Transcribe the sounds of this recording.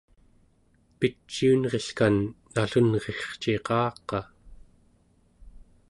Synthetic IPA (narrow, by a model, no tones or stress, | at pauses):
pit͡ʃːiunʁe̞ɬkanː | aɬunʁe̞χt͡ʃeqɑːqɑ